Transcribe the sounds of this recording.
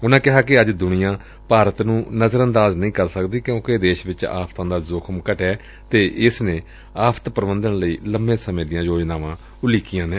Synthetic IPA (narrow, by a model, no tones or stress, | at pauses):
ʊnãːkɪɦaːkɪəd͡ʒd̪ʊnɪjãː | paːɾət̪nũːnəzəɾə̃nd̪aːznəĩːkəɾsəkd̪iːkjõːked̪eːʃʋɪt͡ʃa̰ːpʰt̪ãːd̪aːzʊkʰəmkəʈɛː | t̪eːʔɪsneː | aːpʰt̪pɾəʋənd̪əɳləiːləmːẽːsəmẽːd̪ɪjãːjoːd͡ʒnaːʋãː | ʊliːkɪjãːnẽː